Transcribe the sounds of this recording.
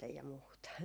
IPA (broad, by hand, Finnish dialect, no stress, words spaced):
jɑ muːtɑ